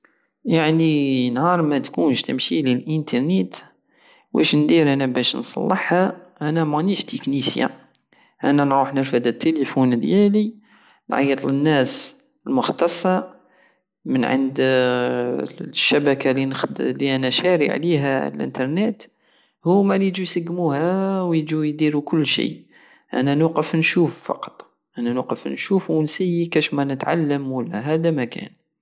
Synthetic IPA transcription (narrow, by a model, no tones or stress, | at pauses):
jaʕninhɑɾˤmæt̪kunʃt̪əmʃililʔənt̪ɑɾˤnit̪ | wæ̰ʃnd̪iɾʔænæbæʃnsˤɑ̰lːəħhæʔænæmɑniʃt̪əknisja̰ | ʔænænʕuħnəɾfæd̪ət̪ːelifund̪jæli | nʕɑ̰jət̪ˤlənːæs | əlmʊxt̪ɑsˤːɑ | mənʕə̰nd̪ | ʃːæbækalinliʔænæʃæɾiʕliɦæ̰lʔə̰nt̪ɑɾˤnet̪ | hʊwmælijd͡ʒujsəɡːmuhæwjd͡ʒujd̪iɾukʊlːʃḭ | ʔæ̰nænuqəfnʃuːffɑ̰qɑ̥t̪ˤ | ʔænænʊqəfnʃufwənsæjːikæʃmænət̪ʕa̰lːəmwəlːæɦæd̪æmækæ̰n